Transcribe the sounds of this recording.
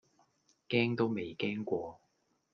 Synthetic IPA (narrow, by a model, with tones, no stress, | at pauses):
kɛː˥ŋt̪o˥wme˨jkɛː˥ŋkʷɔː˧